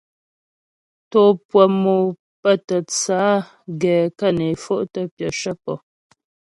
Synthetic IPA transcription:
to˨pwə˨mo˨ | pə˦tə˨t͡saː˨˦ | ɡɛː˨kə˦˨ne˨fo˦ʔtə˦pjə˨ʃə˦pɔ̰˨

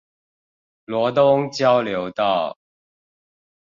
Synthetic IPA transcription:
lwɔ˧˥t̪ʊ˥ŋt͡ɕjɑ˥ʊljo˨˧˥ʊt̪ɑ˥˩ʊ

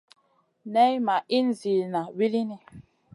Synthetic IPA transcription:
nɛ˦jma˨ʔi˦n˨zi˨lna˨wi˦li˦ni˦

